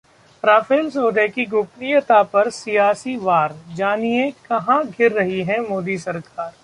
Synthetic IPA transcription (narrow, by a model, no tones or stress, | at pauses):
ɾaːfeːlsoːd̪ɛkiɡʊpnijət̪apɐɾsijaːsiʋaːɾd͡ʒaːniekɐɦãɡʱɪɾːɐɦiɦɛ̃moːd̪isɐɾkaːɾ